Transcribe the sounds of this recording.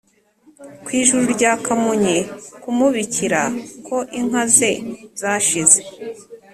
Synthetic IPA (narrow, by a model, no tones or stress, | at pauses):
kwiːʒuɾuɾɟaːkamuɲekumuβiciɾakʰo̞ʔiŋ̥aze̞z̥aːʃize̞